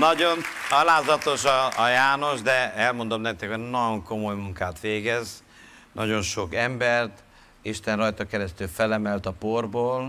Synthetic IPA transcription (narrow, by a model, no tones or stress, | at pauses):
nɒɟo̞nɒlaːzɒt̪o̞ʃɒːjaːno̞ʒd̪ɛɛlmo̞nd̪o̞mnɛk̚t̪ɛkʰoɟnɒjoŋko̞mo̞jmuŋkaːt̪ʋeːɡɛz | nɒɟo̞nʃo̞kɛmbɛrt̪ | iʃt̪ɛnrɒjt̪ɒkɛɾɛst̪ylfɛlɛmɛlt̪ɒporboːl